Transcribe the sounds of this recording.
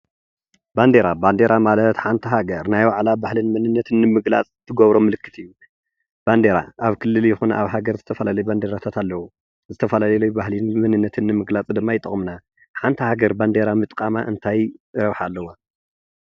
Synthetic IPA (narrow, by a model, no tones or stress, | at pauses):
band̪eɾaband̪e̞ɾʔamalɐt̪ħant̪ʰɐɦaɡɐɾnajwaʕlabahlinmɨnɨnːɐt̪ʰɨnːɨmɨɡla̰t͡sʼt̪ʰːɨɡɐβɾo̞mːɨlɨkːɨt̪ʰɨjːu | b̥and̪eɾa̰ʔaβkʰɨlːɨljɪxuna̰βɦaɡɐɾzɨt̪ʰɐfɐlalɐjband̪eɾat̪ʰat̪ʰalːɐwu | zɨt̪ʰɐfɐlalɐlubahlinmɨnɨnːɐt̪ʰɨnːɨmɨɡlat͡sʼd̪ɨmːajɪt̪ʼɨ̰χʼmna | ħant̪ʰɐhaɡɐɾband̪eɾamɨt̪ʼkʼama̰ʔɨnt̪ʰajɾɐβħaːlːɐwo